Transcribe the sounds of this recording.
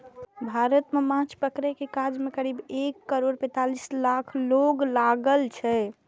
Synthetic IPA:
bʱaɾət̪memãt͡ʃpəkɾekekad͡ʒmekəɾibekːəɾoɽpɛ̃t̪alislakʰloɡlaɡəlt͡ʃʰɛ

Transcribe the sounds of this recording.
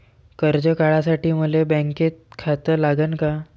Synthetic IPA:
kəɾd͡ʑəkaɭasaʈiːməlebɛ̃ŋket̪̚kʰat̪əlaɡənka

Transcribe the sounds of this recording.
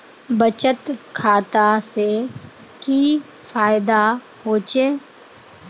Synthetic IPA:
bət͡ʃət̪kʰaːt̪ase | ki | faːjɪd̪a | ɦoːt͡ʃeː

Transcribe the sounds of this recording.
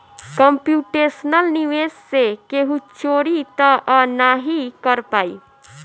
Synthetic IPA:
kəmpjuʈesnəlniʋessekeɦut͡ʃoɾit̪əʔɔnaɦikəɾpaːḭ

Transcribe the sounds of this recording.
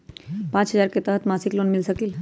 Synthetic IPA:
pãt͡ʃɦəzaɾket̪əɦət̪masiklonmilsəkil

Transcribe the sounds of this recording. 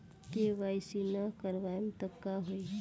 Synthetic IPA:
keʋaːjsinakəɾʋaːjmt̪əkːaɦoi

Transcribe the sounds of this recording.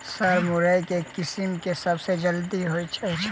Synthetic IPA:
sɐɾmʊɾajkekɪsimkesɐbsed͡ʒɐld̪iɦoit͡ʃʰɛt͡ʃʰ

